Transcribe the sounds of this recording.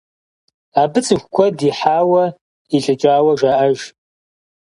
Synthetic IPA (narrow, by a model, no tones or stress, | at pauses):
abɨt͡sʼɨxʷkʷʰɔdiħaːwɐ | iɬʼɨt͡ʃʼaːwɐʒʷaʔɐʒ